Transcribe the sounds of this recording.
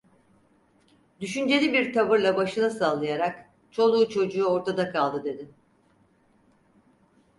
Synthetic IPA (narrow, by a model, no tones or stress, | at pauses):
d̪yʃynd͡ʒe̞lʲibiɾt̪ʰavɯɾlˠabaʃɯnˠasalˠajaɾak | t͡ʃʰo̞lˠuːt͡ʃʰo̞d͡ʒuːo̞ɾt̪ʰad̪akʰalˠd̪ɯd̪e̞d̪ɪ